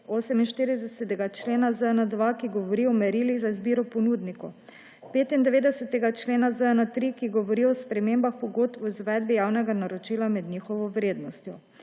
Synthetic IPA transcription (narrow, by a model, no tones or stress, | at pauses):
oːsɛminʃt̪iɾid̪ɛsɛt̪ɛɡat͡ʃleːnazənad̪ʋakiɡɔʋɔɾiɔmɛɾiliɣzaizbiːɾɔpɔnuːd̪nikɔ | peːt̪ind̪ɛʋeːd̪ɛsɛt̪ɛɡat͡ʃleːnazəɛnət̪ɾikiɡɔʋɔɾiɔspɾɛmeːmbaxpɔɡot̪ɔizʋɛd̪̚bijaːwnɛɡanaɾɔt͡ʃiːlamɛd̪nɲiːxɔʋɔʋɾeːd̪nɔst̪jɔ